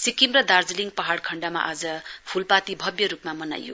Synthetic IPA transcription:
sikimrʌd̪ard͡ziliŋɡpʌɦaɽkʰʌɳɖama̰ʔad͡zʌpʰulpat̪ibʱʌbjʌɾupmamʌna̰jːo̰

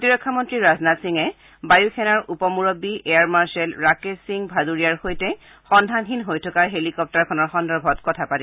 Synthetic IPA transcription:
ktiɹɔkʰːamɔntɹiɹaznatsiŋɛ | bajukʰɛnaɹupɔmuɹɔbiʔeaɹmaɹsɛlɹakesiŋbʱaduɹijaɹxojtɛ | xɔndʱanxinɦojtʰɔkaɹɦelikɔp̚taɹkʰɔnɔɹxɔndɔɹbʱɔtkɔtʰapati

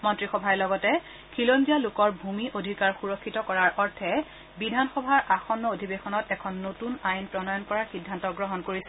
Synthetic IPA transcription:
mɔntɹixɔbʱaɛlɔɡɔtɛ | kʰilonzialʊkɔɹbʱumiʔodʱikaɹxuɹɔkʰːitɔkɔɹaɹʔɔɹtʰɛ | bidʱanxɔbʱaɹʔaxɔnːɔodʱibexɔnɔtɛkʰɔnːotunajnpɹɔnɔjɔnkɔɹaɹxidʱːantɔɡɹɔɦɔnkoɹisɛ

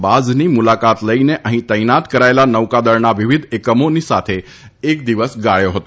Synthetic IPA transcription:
bad͡znimulakat̪ləineʔəɦĩt̪əjnat̪kəɾaelanəʋkad̪əɾnaʋɪʋid̪ʱekəmonisat̪ʰe | ek̚d̪iʋəsɡaɭjoɦət̪o

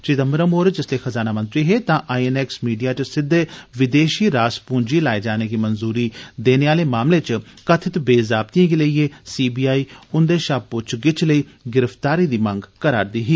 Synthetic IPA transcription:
t͡ʃɪt̪əməɾəmoːɾd͡ʒɪsleːxəzaːnaːmə̃nt̪ɾiːɦeːt̪ãːʔaːienɛːksmiːɖijaːt͡ʃsɪd̪eʋɪd̪eːʃiːɾaːspũːɲd͡ʒiːlaːed͡ʒaːneːɡiːmənzuːɾiːd̪eːneːaːleːmaːmleːt͡ʃkət̪ʰɪt̪beːzaːbt̪ijãːɡeːləieːsiːbiːaːiːʊnd̪eːʃaːb̚ʊt͡ʃʰɡɪt͡ʃləiː | ɡɪɾəft̪aːɾiːd̪iːmə̃ŋɡkəɾaːɾd̪iːɦiː

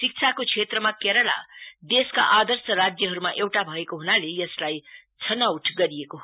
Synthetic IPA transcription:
sik̚t͡sʰakokʰet̪rʌmakeɾʌla̰d̪eska̰ʔad̪ʌrsʌɾad͡zjʌɦʌɾumaʔewʈabʱʌekoɦunalejʌslajt͡sʰʌnawuʈʰɡʌɾijeko

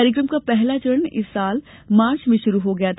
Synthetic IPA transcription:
aːɾɪk̬ɾəmkapɛɦlat͡ʃʊɾənɪsːaːl | maːɾt͡ʃmẽʃʊɾuɦoɡɐjat̪ʰ

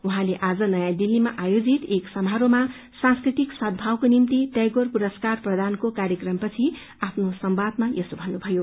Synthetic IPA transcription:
uɦãleʔad͡zʌnʌjãd̪ilːimaʔajod͡zit̪eksʌmɦaɾoma | sãnskrit̪iksʌd̪̚ʱbʱawkonimt̪iʈjʌjɡorpuɾʌskarprʌd̪ʱankokaɾjʌkrʌmpʌt͡sʰi | apʰnosʌmbad̪̚majʌsobʱʌnːubʱʌjo

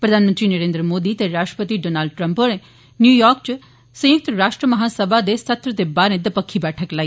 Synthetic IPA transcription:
pɾɐd̪aːnmənt̪ɾinəɾẽːnd̪ɾəmoːd̪it̪eɾaːʃʈɾəpət̪iɖoːnaːlɖ̚ʈɾə̃mpoːɾe | njuːjɔːɾkt͡ʃ | sɐ̃jək̚t̪ɾaːʃʈɾəmɐɦaːsəbʱad̪esɐt̪ɾət̪ebaːɾẽd̪ɐpəkʰːibɛːʈʰəklaːi

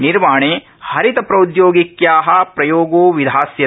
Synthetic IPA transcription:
niɾʋaːɳeː | hɐɾit̪ɐpɾɐud̪joːɡikjaːɦɐpɾɐjoːɡoːʋid̪ʱaːsjɐ

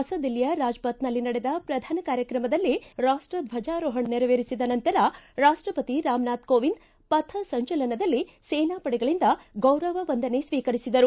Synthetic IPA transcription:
ɐsɐd̪ilːijɐɾaːd͡ʒpɐt̪nɐlːinɐɽed̪ɐpɾɐd̪ʱaːnɐkaːɾjɐkɾɐmɐd̪ɐlːiɾaːʂʈɾɐd̪ʋʱɐd͡ʒaːɾoːɦɐɳneɾɐʋeːɾisid̪ɐnɐnt̪ɐɾɐɾaːʂʈɾɐpɐt̪iɾaːmnaːt̪koːʋind̪ | pɐt̪ʰɐsɐɲt͡ʃɐlɐnɐd̪ɐlːi | seːnaːpɐɽɛɡɐɭind̪ɐɡɐwɾɐʋɐʋɐnd̪ɐne̞sʋiːkɐɾisid̪ɐɾu

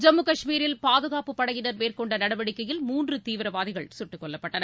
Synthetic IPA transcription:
d͡ʒɐmːɯkɐʂmiːɾɪlpaːðɯɣaːpɯpːɐɽɐjɪnɐɾmeːrkɔɳɖɐnɐɽɐʋɐɽɪkːɐjɪlmuːndrɯt̪iːʋɪɾɐʋaːðɪɣɐɭsʊʈːɯkːɔɭːɐpːɐʈːɐnɐ

